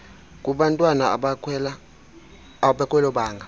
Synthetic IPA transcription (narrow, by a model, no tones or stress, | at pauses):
kʼuɓantʼwana̰ɓakɛla | ɓakʼwɛlɔɓaːŋɡʱa